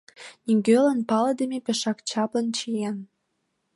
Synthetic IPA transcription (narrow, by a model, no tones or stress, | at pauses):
niŋɡʲølənpɑləd̪əmepeʃɑkt͡ɕɑplənt͡ɕijen